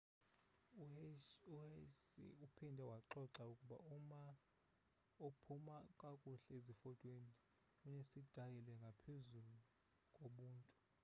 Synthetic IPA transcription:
usḭupʰindʱɛwaǁɔǁaukʼuɓa̰uma | opʰumakʼakʼuɬɛezifɔtʼweni | kʼuɲesid̥ʱajilɛŋɡʱapʰezulu | kʼoɓuːntʼu

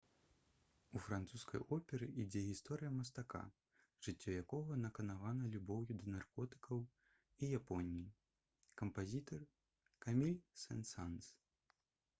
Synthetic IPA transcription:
ufɾant̪suskɐ̰jʔɔpʲɛɾɨʔid͡zʲɛɣʲist̪ɔɾɨjɐmɐs̬t̪aka̰ | ʐ̥ɨt͡sʲːɔjakɔɣɐnɐkɐnavanɐlʲubɔwjud̪ɐnarkɔt̪ɨ̥kɐw | ijapɔnʲiji | kɐmpazʲit̪ɐr | kamʲilʲsɛ̰nsans

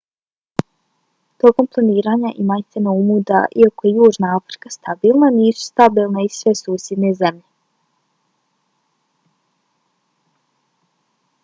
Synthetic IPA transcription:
t̪o̞ko̞mplˠaniːɾaːɲaʔimajt̪semaumud̪a̰ʔiako̞jejuːʒnaafɾi̥kast̪abiːlˠnaniːsu̥st̪abiːlˠnaisʋe̞suːsje̞d̪ne̞zemʎe

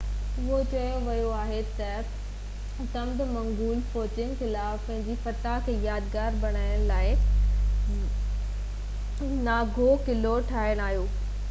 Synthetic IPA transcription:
ʊɦot͡ɕɐjõʋɐjoaːɦet̪ɐ | sɐ̃md̪mɐ̃ŋɡuːlfoːt͡ɕɪn̆xɪlaːfpɐ̃ɦɪ̃ɲd͡ʑifɐt̪akʰeːjaːd̪ɡaːɾbɐɽ̃aːɪɽ̃laːɪ | naːɡʱokɪloʈʰaːɪɽ̃aːɦijoː

